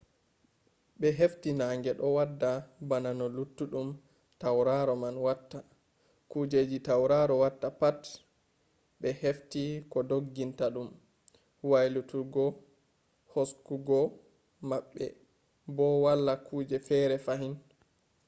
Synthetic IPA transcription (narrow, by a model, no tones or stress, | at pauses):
ɓɛɦeftinaːŋɡɛɗɔwadːabananɔlutːuɗum | tawɾaɾɔmanwatːa | kud͡ʒed͡ʒitawɾaɾɔwatːapat | ɓɛheftikɔdoɡːintaɗum | wajlutuɡɔ | hoskuɡɔ | maɓːɛ̰ | bɔwalːakuːd͡ʒɛfɛːɾɛfaɦin